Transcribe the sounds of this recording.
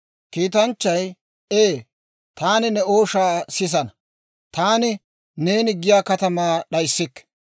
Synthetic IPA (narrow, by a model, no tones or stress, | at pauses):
kiːt̪̬ɐnt͡ʃːɐj | eː | t̪aːnɪnɛo̞ːʃaːsɪs̬ɐnɐ | t̪aːnɪ | ne̞ːnɪɡɪjaːkɐt̪ɐmaːɗɐjsːɪkː